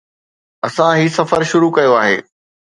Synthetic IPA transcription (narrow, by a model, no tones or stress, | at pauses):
ɐsãɦiːsɐfəɾʃʊɾukɐjoaːɦḛː